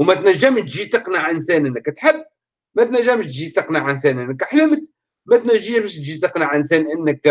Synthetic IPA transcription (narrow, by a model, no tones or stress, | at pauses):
mæt̪næʒːæmʃt̪ʒit̪əqnaʕʔənsɛːnʔənːəkæt̪ħəbː | mæt̪næʒːæmʃt̪ʒit̪ɑqnaʕʔənsɛːnʔənːəkħlʊmək̪ | mæt̪næʒːəmʃt̪ʒit̪əqnaʕʔənsɛːnʔənːək̚